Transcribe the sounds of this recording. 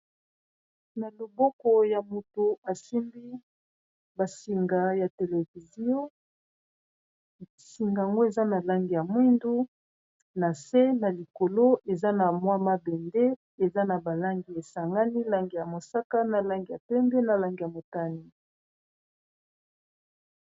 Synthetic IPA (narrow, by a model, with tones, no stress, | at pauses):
na˨lo˨bɔ˦kɔ˨ja˨mo˨to˨a˨si˦mbi˦ | ba˨si˨ŋɡa˨ja˨te˨le˨vi˨zi˦o˦ | si˨ŋɡa˨a˨ŋɡo˦e˨za˦na˨la˦ŋɡi˨ja˨mwi˦ndu˦ | na˨se˦na˨li˨ko˨lo˦e˨za˦na˨mwa˦ma˦bɛ˨nde˦ | e˨za˦na˨ba˨la˦ŋɡi˨e˨sa˨ŋɡa˦ni˦la˦ŋɡi˨ja˨mo˨sa˦ka˦na˨la˦ŋɡi˨ja˨pɛ˦mbɛ˦na˨la˦ŋɡi˨ja˨mo˨ta˦ni˦